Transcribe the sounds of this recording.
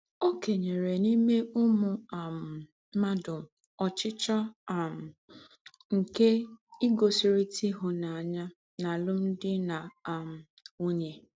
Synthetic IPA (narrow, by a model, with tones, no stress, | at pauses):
o˦ke˨ɲe˨ɾe˨ni˦me˦ʊ˦mʊ˨a˨m̩˨˦ | ma˦dʊ˨ | ɔ˨t͡ʃɪ˦t͡ʃɔ˦a˨m̩˨ | ŋ̩˨ke˦i˦ɡo˨si˨ɾi˦ti˦ɦʊ˨na˨a˨ɲa˦ | na˨lʊ˦n̩˦dɪ˦na˨a˨m̩˨ | u˦ɲe˨